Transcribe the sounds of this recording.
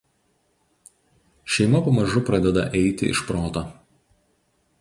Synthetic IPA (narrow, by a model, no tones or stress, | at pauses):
ʃʲɛɪmɐpɐmɐʒʊpɾɐd̪ʲɛd̪ɐ̰ʔɛɪt̪ʲɪʔɪ̰ʃpɾoːt̪oː